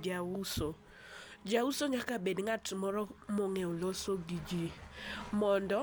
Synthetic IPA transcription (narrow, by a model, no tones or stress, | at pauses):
d͡ʒauso | d͡ʒausoɲakabedɪŋatmɔɾɔmɔŋeulosoɡid͡ʒimɔndɔ